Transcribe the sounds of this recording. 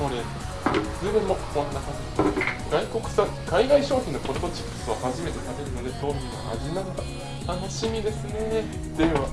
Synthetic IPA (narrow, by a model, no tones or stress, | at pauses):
od̪e | sɨːd̪emːokõnːaka | ɡaiko̞kɯ̟̥sã | kaiɡaiɕo̞ːçʲĩnːokot̪ːot͡ɕi̥pːɯ̟̥sɨohaʑime̞t̪e̞t̪abeɾɯnod̪ed̪oːmʲĩŋa̰a̰ʑinaɡaa | t̪ʰanaɕimʲid̪e̞sɨne̞ | d̪̥eβa